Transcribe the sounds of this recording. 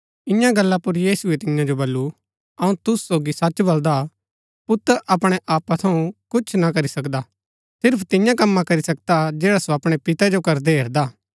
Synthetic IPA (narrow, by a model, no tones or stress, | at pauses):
ɪjãɡɐlːapʊɾjiːsuet̪ɪjãd͡ʒobɐlːu | ɐũt̪ʊssoːɡisɐt͡ʃbɐld̪a | pʊt̪əɾʔɐpɽ̃eʔaːpat̪ʰɐũkʊt͡ʃʰnakɐɾisɐkd̪a | sɪɾpʰt̪ɪjãkɐmːãkɐɾisɐk̚d̪ad͡ʒɛːɽasoɐpɽ̃epɪt̪ɛd͡ʒokɐɾd̪eɦeːɾd̪aː